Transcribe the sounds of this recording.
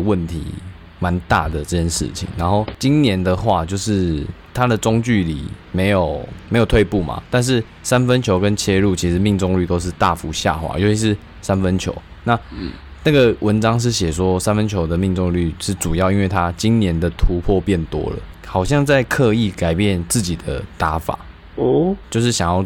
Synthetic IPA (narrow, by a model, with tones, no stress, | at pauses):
wə˥˨nt̪ʰḭ˧˥˦ | ma˧˦nt̪a̰˥˩d̪ə˩ʈ͡ʂə˥˩t͡ɕʰjɛ˥nʂɻ̩̰˥˩t͡ɕʰḭ˨˩ŋna˧˥nxo˥˩ʊt͡ɕi˥nnjɛ˧˦nd̪ə˨xwa˥˧t͡ɕjo˥˧ʊʂɻ̩˥˩ | t̪ʰa˦d̪ə˨t͡sʊ˥ŋt͡ɕy˥˩lḭ˨˩me˧˥ɪjo˨˩ʊme˧˥jo˨˩ʊt̪ʰwe˥˧ɪpu˥˩ma̰˨˩t̪a˥˧nʂ̬ɻ̩˥˩ | sa˦˥nfə˦nt͡ɕʰjo˧˥ʊkə˦nt͡ɕʰjɛ˥lu˥˩t͡ɕʰi˧˥ʂ̩˧˦mi˥˧ŋt͡so˥˧ŋly˥˩t̪o˥ʊʂ̬ɻ̩˥˧t̪a˥˨fu˧˥ɕja̰˥˩xwa̰˧˥˦jo˧ʊt͡ɕʰi˧˥ʂɻ̩˥˩ | sa˦nfə˦nt͡ɕʰjo̰˧˥ʊ | na˥˨na˥˩ɡə˨wʔə˧˦nʈ͡ʂɑ˥ŋʂ̬ɻ̩˥˩ɕjɛ˨˩swɔ˦sa˥˦nfə˦nt͡ɕʰjo˧˥ʊd̪ə˨mi˥˧ŋt͡so˥˧ŋly˥˩ʂɻ̩˥˩ʈ͡ʂu˨˩jɑ˥˩ʊi˦nwe˥˩ɪt̪ʰa˦t͡ɕi˦˥nnjɛ˧˥nd̪ə˨t̪ʰu˧˥pʰwɔ˥˧pjɛ˥˩nt̪wɔ̰˦˥lə̰˨ | xɑ˨˩ʊɕjɑ˥˧ŋt͡sa˥˧ɪkʰɤ˥˧i˥˩ka˨˩ɪpjɛ˥˨nt͡sɹ̩˥˩t͡ɕi˨˩d̪ə̰˦t̪a˧˥˦fa̰˨˩˦ | t͡ɕjo˥˧ʊʂ̬ɻ̩˥˩ɕjɑ˨ŋjɑ˥˩ʊ